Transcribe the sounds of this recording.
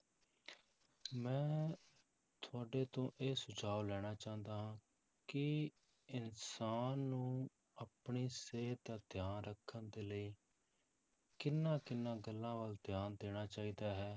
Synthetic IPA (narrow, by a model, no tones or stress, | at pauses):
mɛ̃ː | t̪ʰʊaːɖeːt̪õːʔeːsʊd͡ʒaːolɛːɽ̃aːt͡ʃãːnd̪aːɦãː | kɪ | ɪnsaːnːũː | apɳiːseːt̪aːd̪ʱjaːnɾəkʰːənd̪eːləiː | kɪnːãːkɪnːãːɡəlːãːʋəld̪jaːnd̪eːɽ̃aːt͡ʃaːiːd̪aːɦɛː